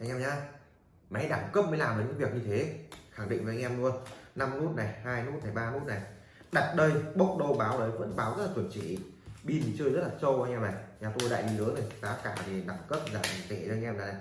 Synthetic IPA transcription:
ʔa̰˧˩ŋʔɛ˧mɲaː˧ | ma˨˦jɗaː˧˩ŋkə˦˥p̚mə˨˦laː˨˩maː˨˦ɲɨ̰˧˥ŋvi˨˩ək̚ɲɨ˧t̪ʰe˨˦xa˧˩ŋɗḭ˧˨ŋvə˨˦ʔŋʔɛ˧mɗu˧əna˧mnu˦˥t̚na˨˩jhaː˧jnu˦˥t̚na˨˩jɓaː˧nu˦˥t̚na˨˩j | ɗa˨˩t̚ɗə˧jɓə˦˥wk͡p̚ɗə˧wɓaː˨˦wɗə˨˦jvə̰˧˥nɓaː˨˦wzə˦˥laː˨˩wnt͡ɕḭ˧˩˨ɓi˧nt̪ʰi˨˩t͡ɕɨː˧jzə˦˥t̚laː˨˩sə˧wʔa˧ŋʔɛ˧mna˨˩jɲaː˨˩t̪o˧jɗa̰ː˧˨jɗi˧lɨ˨˦əna˨˩jkaː˨˦kaː˧˩t̪i˨˩ɗa˧˩ŋkə˦˥p̚zaː˨˩˨t̪e˧˩əː˧ŋʔɛ˧mnaː˨˩na˨˩j

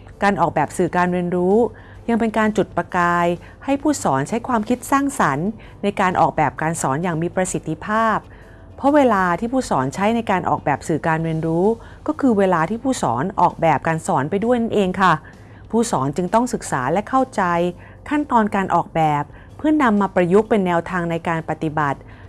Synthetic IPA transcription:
kaː˧nʔɔː˨˩k̚bɛː˨˩p̚sɯː˨˩kaː˧nweː˧nɾuː˦˥ | ja˧ŋpe˧nkaː˧nt͡ɕu˨˩t̪̚pɾa˧kaː˧j | ha˥˩jpʰuː˥˩sɔː˩˦nt͡ɕʰa˦˥jkʰwaː˧mkʰi˦˥t̪̚saː˥˩ŋsa˩˦n | na˧jkaː˧nʔɔ̰ː˨˩k̚bɛː˨˩p̚kaː˧nsɔː˩˦njaː˨˩ŋmiː˧pɾa˧si˨˩t̪ʰːi˧pʰaː˥˩p̚ʰː | ɔ˦˥weː˧laː˧t̪ʰiː˥˩pʰuː˥˩sɔː˩˦nt͡ɕʰa˦˥jna˧jkaː˧nʔɔ̰ː˨˩k̚bɛː˨˩p̚sɯː˨˩kaː˧nweː˧ənɾuː˦˥ | kɔː˥˩kʰɯː˧weː˧laː˧t̪ʰiː˥˩pʰuː˥˩sɔ̰ː˩˦nʔɔ̰ː˨˩k̚bɛː˨˩p̚kaː˧nsɔː˩˦npa˧jdu˥˩əjna˥˩nʔeː˧ŋkʰa˥˩ | pʰuː˥˩sɔː˩˦nt͡ɕɯ˧ŋt̪ɔ˥˩ŋsɯ˨˩k̚sa̰ː˩˦lɛ˦˥kʰa˥˩wt͡ɕa˧j | kʰa˥˩nt̪ɔː˧nkaː˧nʔɔː˨˩k̚bɛː˨˩pʰː | ɯ˥˩əna˧mːaː˧pɾa˧ju˦˥k̚pe˧nːɛː˧wt̪ʰaː˧ŋna˧jkaː˧npa˨˩t̪i˨˩ba˨˩t̪̚

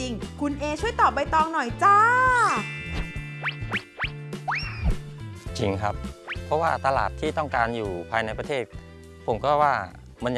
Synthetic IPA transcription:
i˧ŋkʰu˧nʔeː˧t͡ɕʰu˥˩əjt̪ɔː˨˩p̚ba˧jt̪ɔː˧ŋnɔ˨˩jt͡ɕaː˧˥ | t͡ɕi˧ŋkʰa˦˥p̚ʰːɔ˦˥waː˥˩t̪a˧la̰ː˨˩t̪ʰːiː˥˩t̪ɔ˥˩ŋkaː˧njuː˨˩pʰaː˧jna˧jpɾa˧t̪ʰeː˥˩t̪̚ | pʰo˩˦mkɔː˥˩waː˥˩ | ma˧nj

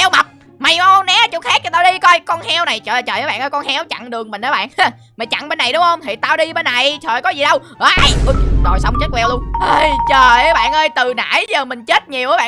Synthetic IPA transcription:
hɛ˧wma˨˩t̚ | ma˨˩ja˧nɛ˨˦t͡ɕʊ˧˥t̚haː˦˥k̚ɲa˧˩t̪aː˧ɗi˧kɔ˧jkɔ˧nhɛ˧wna˨˩jt͡ɕəː˨˩˨t͡ɕəː˨˩jəː˨˦ɓa̰ː˧˨nʔəː˧˦kɔ˧nhɛ˨˦wt͡ɕa̰˧˨ŋɗɨ˨˩əŋmï˨˩ŋ̟ʔəː˨˦ɓa̰ː˧˨na˧˩ | maː˨˩t͡ɕa̰˧˨ŋɓe˧nːa˨˩jɗʊ˨˦ŋ͡mhə˧wŋ͡mt̪ʰi˨˩t̪aː˧wɗi˧ɓe˧nːa˨˩jt͡ɕəː˨˩jkɔ˨˦zi˨˩ɗə˧wʔə˨˧ʔa˧˩jʔə˧zo̰˧˨˩jsə˧wŋ͡mt͡ɕe˦˥t̚wɛ˧wlu˧ənʔəː˧jt͡ɕəː˨˩jɓa̰ː˧˨nʔəː˧jt̪ɨ˨˩na̰ː˧˥jzəː˨˩mï˨˩ŋ̟t͡ɕe˦˥t̚ɲi˨˩əwʔəː˨˦ɓa̰ː˧˨

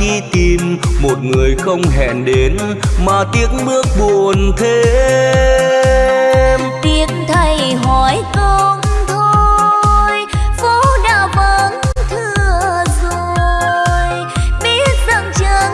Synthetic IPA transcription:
ɗi˧t̪i˨˩mmo˨˩t̚ŋɨ˨˩əjxə˧wŋ͡mɦɛ̰˧˨nɗe˨˦n | maː˨˩t̪i˨˦əŋɓɨ˦˥ək̚ɓu˨˩˨ənt̪ʰe˨˦ | t̪i˧˨˦ənt̪ʰə˧jɦɔ˨˧˦jko˧ŋ͡mt̪ʰo˧jfu˧˦ɗaː˧˩wmə˧˨˦nt̪ʰɨ˧əəzo˨ | j | ɓi˧˦t̚zə̰˧˩ŋt͡ɕəː˧˩

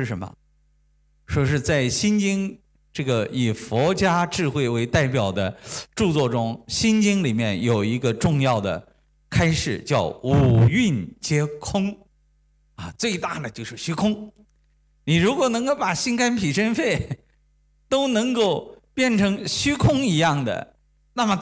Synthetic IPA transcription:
ɻ̩˥˩ʂə˧˥mə̰˧ | ʂɔ˥ʂ̬ɻ̩˥˧t͡sa˥˩ɪɕi˥nt͡ɕi˥ŋ | ʈ͡ʂɤ˥˩ɡə˩i˨˩fwɔ˧˥t͡ɕja˥ʈ͡ʂɻ̩˥˧xwe˥˩ɪwe˧˥ɪt̪a˥˩ɪpjɑ˨˩ʊd̪ə˦ʈ͡ʂu˥˧t͡swɔ˥˩ʈ͡ʂʊ˥ŋɕi˥nt͡ɕi˥ŋli˨˩mjɛ˥˩njo˨˩ʊi˧˥ɡə˧ʈ͡ʂʊ˥˧ŋjɑ˥˩ʊd̪ə̰˩ | kʰa˥ɪʂɻ̩˥˩t͡ɕjɑ˥˩ʊu˨˩y˥˩nt͡ɕjɛ˥kʰʊ˥ŋ | a˥˧t͡swe˥˧ɪt̪a˥˩d̪ə˩t͡ɕjo˥˧ʊʂɻ̩˥˩ɕy˥kʰʊ˥ŋ | ni˨˩ɻu˧˥kwɔ˨˩nɤ˧˥ŋko˥˩pa˨˩ɕi˥nka˥npʰi˨˩ʂə˥nfe˥˩ɪ | t̪o˥ʊnɤ˧˥ŋko˥˩˧ʊpjɛ˥˩nʈ͡ʂʰɤ˧˥ŋɕy˥kʰʊ˥ŋi˧˥jɑ˥˩ŋd̪ə̰˩ | na˥˩mə˩

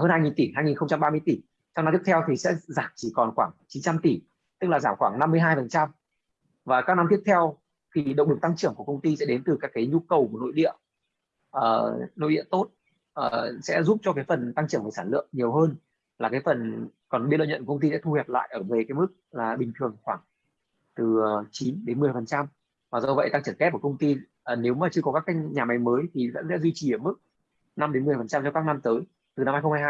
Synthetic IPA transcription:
həː˧nhaː˧jŋi˨˩nt̪i˧˩haː˧jŋi˨˩nxə˧ŋ͡mt͡ɕa˧mɓaː˧mɨ˧əjt̪i˧˩ | t͡ɕɔ˧ŋ͡mna˧t̪i˦˥ə˥t̪ʰɛ˧wt̪ʰi˨˩sɛ̰˧˥zaː˧˩mt͡ɕi˧˩kɔ˨˩nxwaː˧˩ŋt͡ɕi˨˦nt͡ɕa˧mt̪i˧˩ | t̪ɨ˦˥k̚laː˨˩zaː˧˩mxwaː˧˩ŋna˧mːɨ˧əjɦaː˧jfə˨˩nt͡ɕa˧m | vaː˨˩kaː˦˥k̚na˧t̪i˦˥ək̚t̪ʰɛ˧w | xi˧˩ɗə˨˧˨ŋ͡mɗɨ˨˩k̚t̪a˧ŋt͡ɕɨ˧˩əŋku˧˩əkə˧wŋ͡mt̪i˧sɛ̰˧˥ɗe˨˦nt̪ɨ˨˩kaː˦˥kːaː˨˦jɲu˧kə˨˩wku˧˩no̰˧˨jɗḭ˧˨ə | ʔəː˨˩no̰˧˨jɗḭ˧˨ənt̪o˦˥t̚ | ʔəː˨˩sɛ̰˧˥zu˦˥p̚t͡ɕɔ˧kaː˨˦jfə˨˩nt̪a˧ŋt͡ɕɨ˧˩əŋvə˧˩saː˧˩lɨ̰˧˨əŋɲ˨˩əwɦəː˧n | laː˨˩kaː˨˦jfə˨˩nkɔ˨˩nɓḭ˧˥l̰ːɲə̰˧˨nkkə˧ŋ͡mt̪i˧sɛ̰˧˥t̪ʰu˧hɛ˨˩p̚la̰ː˧˨jʔəː˧˩ve˨˩kaː˨˦jmɨ˦˥k̚laː˨˩ɓï˨˩ŋ̟t̪ʰɨ˨˩əŋxwaː˧˩ŋ | t̪ɨ˨˩əː˨˩t͡ɕi˨˦nɗe˨˦nmɨ˨˩əjfə˨˩nt͡ɕa˧m | maː˨˩zə˧və̰˧˨jt̪a˧ŋt͡ɕɨ˧˩nkɛ˦˥p̚ku˧˩kə˧wŋ͡mt̪i˧ | ʔːne˨˦wmaː˨˩t͡ɕɨ˧əkɔ˨˦kaː˦˥kːa˧˥jɲaː˨˩ma˨˦jməː˨˦jt̪ʰi˨˩zə̰˧˥nsɛ̰˧˥zwi˧t͡ɕi˨˩ʔəː˧˩mɨ˦˥k̚ | na˧mɗe˨˦nmɨ˨˩ə˩fə˨˩t͡ɕa˧mt͡ɕɔ˧wkaː˦˥k̚na˧mt̪əː˨˦j | t̪ɨ˨˩na˧mha˧jxŋ͡mha˧jhaː˧

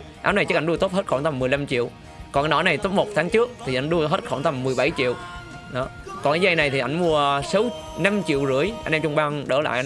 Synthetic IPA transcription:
ʔaː˨˦wna˨˩jt͡ɕɨ˦˥kʔŋɗu˧ət̪o˦˥t̚həː˦˥t̚xɔː˧˩nt̪a˧˩mːɨ˨˩əjla˧mt͡ɕḭ˧˨əw | kɔ˨˩na˨˦n˨ɔ˧˨˦na˨˩jt̪o˨˦m̚mo˨˩k͡p̚t̪ʰaː˨˦ŋt͡ɕɨ˦˥ək̚t̪ʰi˨˩ʔa̰˧˩jŋ̟ɗu˧əɦe˦˥t̚xɔ̰˧˩nt̪a˧˩mːɨ˨˩əjɓa˧˩˦jt͡ɕḭ˧˨əw | ɗɔ˨˦ | kɔ˨˩nkaː˨˦za˧jna˨˩jt̪ʰi˨˩ʔa̰˧˩jŋ̟mu˧əsə˨˦w | na˧mt͡ɕḭ˧˨əwzɨ̰˧˩əjʔa˧nʔɛ˧mt͡ɕʊ˧ŋ͡mɓaː˧ŋɗə̰˧˦la̰ː˧˨jʔ

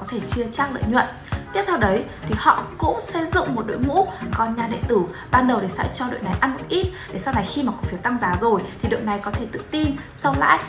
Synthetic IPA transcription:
kɔ˨˦t̪ʰe˧˩t͡ɕɨ˧ət͡ɕaː˦˥k̚lə̰ː˧˨jɲwə̰˧˨n | t̪i˦˥ət̪ʰːwɗə˨˦jt̪ʰi˨˩hɔ̰˧˨kʊ̰˧˥ŋ͡msə˧jzʊ̰˧˨ŋ͡mmo˨˩t̚ɗo̰˧˥jmṵ˧˥kɔ˨˧˩nɲaː˨˩ɗḛ˧˨nt̪ɨ˧˩ɓaː˧nɗə˨˩wɗe˧˩sɛ̰˧˥t͡ɕɔ˧ɗo̰˧˨jna˨˩jʔa˧nkʊ̰˧˥ʔi˦˥t̚ɗe˧˩sa˧wna˨˩jxi˧maː˨˩ku˨˩fi˨˦wt̪a˧ŋzaː˨˦zo˨˩jt̪ʰi˨˩ɗɨ̰˧˨wna˨˩jkɔ˨˦t̪ʰe˧˩t̪ɨ̰˧˨t̪i˧n | sə˧wla̰ː˧˥j

